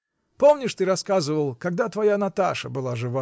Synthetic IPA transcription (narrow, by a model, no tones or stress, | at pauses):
pomnʲɪʂt̪ɨɾɐskazɨvəlˠkɐɡ̚d̪at̪vɐjanɐt̪aʂəbɨlˠaʐɨva